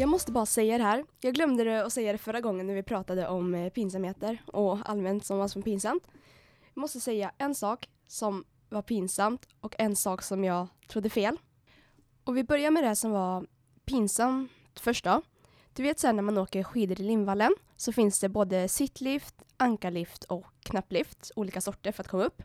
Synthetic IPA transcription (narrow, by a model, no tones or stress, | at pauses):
jɑːɡmɔst̪əbɑːɾasɛjːad̪ɛɦæːɾjɑːɡlœmd̪əd̪ɛɔsɛjːad̪ɛfœɾːaɡɔŋːənːæɾvɪpʰɾɑːt̪ad̪əʔɔmpʰiːns̬amheːt̪əɾɔa̰lmɛnt̪sɔmvasɔmpiːnsamt̪ | jɑːmɔst̪əsɛjːaʔɛnsɑːk | sɔm | vaɾpʰiːnsamt̪ɔkɛnsɑːksɔmjɑːɡt̪ʰɾʊd̪ːəfeːl | ɔvɪbœɾjaɾmɛd̪ɛsɔmvaɾ | pʰiːnsam | t̪fœʂʈa | d̪̥ɵveːt̪sɛːɳæɾmanoːkəɾɧiːd̪əɾɪlɪnvalːən | sɔfɪnsd̪ɛboːd̪əsɪt̪ʰlift̪ʔaŋkaɭɪft̪ʰɔkʰːnapːlɪft̪uːliːkasɔʈːəɾfœɾat̪̚kʰɔmːaɵpː